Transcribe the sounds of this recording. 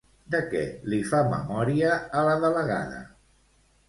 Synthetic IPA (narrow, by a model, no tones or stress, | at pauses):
d̪əkɛ̰lifamə̰mɔɾiəːləðələɣa̰ðə̰